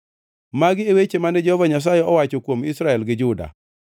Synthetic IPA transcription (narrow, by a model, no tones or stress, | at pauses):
maɡɪewet͡ʃemanɛd͡ʒɛhɔvaɲas̬ajeɔwat͡ʃokwomisɾaɛlɡɪd͡ʒʊda̰